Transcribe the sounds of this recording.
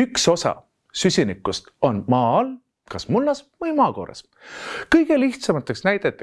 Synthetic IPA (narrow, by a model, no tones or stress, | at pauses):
ykso̞sɑ̰ | sysʲinikːˑust̪o̞nmɑːɑl | kɑsmulːɑsvɤjmɑːko̞̰ːɾɑ̰s | kɤjɡ̥e̞liht̪sɑmɑt̪ːˑɑksnæjd̪̥et̪ːˑi